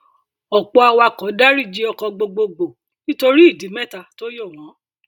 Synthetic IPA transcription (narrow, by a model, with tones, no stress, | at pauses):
ɔ˨k͡pɔ˧a˧wa˧kɔ˨˦da˦ɾi˦˨d͡ʒi˦ɔ˧kɔ˧ɡ͡bo˧ɡ͡bo˧ɡ͡bo˨ | nĩ˦to˧ɾi˦i˦˨di˨˦mɛ˦˨ta˦˨to˦jo˦˨w̃ɔ̃˨˦